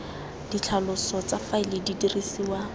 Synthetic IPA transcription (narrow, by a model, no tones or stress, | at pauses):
d̥it͡ɬʰalʊsɔt͡safaɪlɪdidirisiːwa